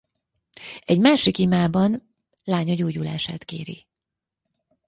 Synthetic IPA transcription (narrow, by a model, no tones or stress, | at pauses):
ɛɟmaːʃikimaːbɒn | laːɲɒɟoːɟula̰ːʃa̰ːt̪keːɾḭ